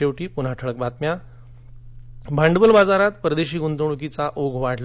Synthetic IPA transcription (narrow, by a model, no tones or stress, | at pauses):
ewʈiːpun̤aʈʰəɭək̚bat̪mja | bʱaɳɖəbəlbad͡zaɾat̪pəɾəd̪eɕiːɡunt̪əɳ̃uk̬it͡saʔoɡʱʋaʈʰl